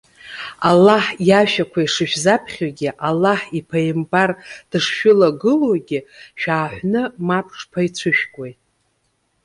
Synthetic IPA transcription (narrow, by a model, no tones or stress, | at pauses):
alːaħjaʃᶣakʷʰaiʂɨʃᶣzapʰχʲaɡʲɪʔalːaħipʰajɪmbard̥ɨʂʃᶣʊlaɡɨloɡʲɪʃᶣaːħʷnɨmapʰʂpʰait͡ɕʷʰɨʃᶣkʼojtʼ